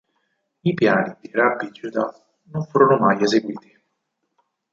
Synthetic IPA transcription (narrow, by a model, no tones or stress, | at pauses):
ipjaːnid̪irabːid͡ʒud̪a | noɱfuːɾonʊmajezeɡwiːt̪i̥